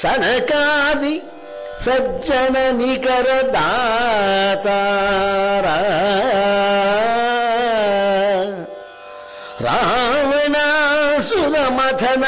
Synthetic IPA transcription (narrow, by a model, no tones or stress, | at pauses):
sɐnɐkaːd̪i | sɐd͡ʒɐnɐnikɐɾɐd̪a | t̪a | ɾa | ɾa̰ɦʋenasud̪ɐmɐt̪ʰɐn